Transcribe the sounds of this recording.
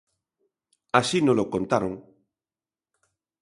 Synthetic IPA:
asinõlokont̪aɾoŋ

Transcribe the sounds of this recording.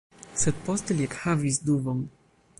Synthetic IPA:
sɛd̪̚pɔst̪ɛliɛkhavisd̪uvɔŋ

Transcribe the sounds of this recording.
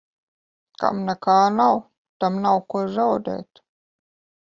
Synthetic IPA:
ka̰mnɛkaːnaw | t̪amnawkuzawd̪ḛːt̪

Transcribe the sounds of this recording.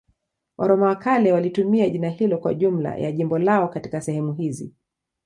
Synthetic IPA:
wʔaɾɔmawakalɛwalitumiaʄinahilɔkwauʄum̩la̰ja̰ʄimbɔlaɔkati̥kasɛhɛmuɦizḭ

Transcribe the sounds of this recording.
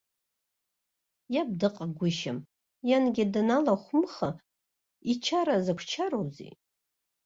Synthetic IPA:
jab̚dɨqʼaɡʷʊʃam | janɡʲadanalaχʷʊmχa | it͡ʃʰaɾazakʷʰt͡ʃʰaɾowzḭ

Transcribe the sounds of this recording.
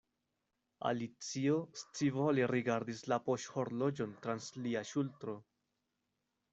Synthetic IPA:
a̰lit͡sio̞st͡sivoleɾiɡaɾdislapo̞ʃho̞ɾlo̞d͡ʒo̞ntɾansliaʃultɾo̞

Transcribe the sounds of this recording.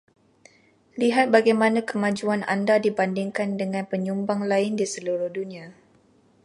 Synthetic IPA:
liɦat̪̚baɡajmanãkəmad͡ʒuana̰ndadibandɪŋkandəŋãnpəɲumbaŋlaɪndisəluɾʊhdunia

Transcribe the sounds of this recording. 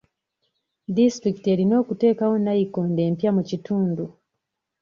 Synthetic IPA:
distɾikite̞ɾino̞ːkute̞ːkawonajikoːnde̞ːmpjamucituːndu

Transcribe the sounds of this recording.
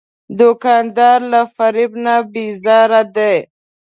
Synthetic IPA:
d̪ʊkɑnd̪ɑɾlafaɾɪbnabizɑɾad̪e

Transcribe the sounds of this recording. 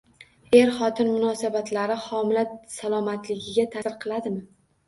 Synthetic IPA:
e̞ɾχɒt̪ʰɪnmʊnɒsabat̪laɾɪχɒmɪlasalˠɒmat̪ʰlɪɡʲɪɡʲat̪ʰasɨɾqʰɨlˠad̪ɪmɪ

